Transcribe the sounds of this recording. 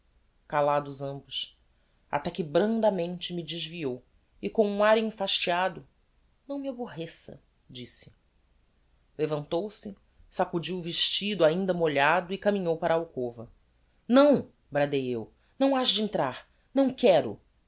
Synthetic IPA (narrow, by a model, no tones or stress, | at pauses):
kalad̪ʊzɐ̃mbʊs | a̰t̪ɛkɪbɾɐ̃nd̪ɐmẽnt͡ʃɪmɪd͡ʒɪʒviow | ɪkõw̃ũaɾẽfaʃt͡ʃiad̪ʊ | nɐ̃w̃mɪaboɦesɐ̰ | d͡ʒisɪ̥ | levɐ̃nt̪owsɪ | sakud͡ʒiwʊviʃt͡ʃid̪ʊaĩnd̪ɐmoʎad̪ʊikamĩɲowpaɾaːawkovɐ | nɐ̃w̃ | bɾad̪ejew | nɐ̃w̃aʃd͡ʒɪẽnt̪ɾaɾ | nɐ̃w̃kɛɾʊ̰